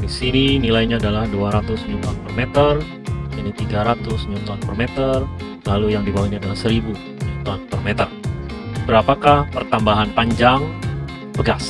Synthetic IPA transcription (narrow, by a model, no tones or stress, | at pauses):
disininilajɲaːdalahduaɾat̪ʊsɲunt̪ɔnpərmet̪ər | init̪iɡaɾat̪ʊsɲunt̪ɔnpərmɛt̪ər | lalujaŋdibawiniadalahsəɾibu | ɲunt̪ɔnpərmɛt̪ərbəɾapakahpərt̪ambaɦanpaɲd͡ʒaŋ | bəɡas